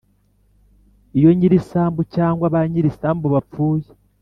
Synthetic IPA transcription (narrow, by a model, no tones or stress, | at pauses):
ijo̞ɲiɾisaːmbucaːŋɡwaβaɲiɾisaːmbuβap͡fuːje̥